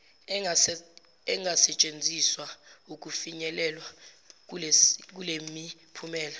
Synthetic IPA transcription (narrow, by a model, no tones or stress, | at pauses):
ɛŋɡʱasɛt͡ʃʼend͡zʱiswauk̬ʼufiɲɛlɛlwa | lk̬ulemipʰumɛːla